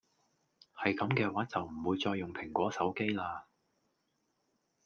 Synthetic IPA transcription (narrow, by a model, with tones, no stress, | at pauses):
hɐ˨jkɐ˨˥mkɛː˧waː˨˥t͡sɐ˨wm̩˨˩wuː˨˧jt͡sɔː˧jːʊ˨ŋpʰɪ˨˩ŋkʷɔː˨˥sɐ˨˥wke˥jlaː˧